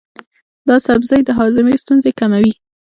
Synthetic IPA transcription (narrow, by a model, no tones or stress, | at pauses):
d̪ɑsabzɑjd̪əɦɑzɪmest̪unzekamawi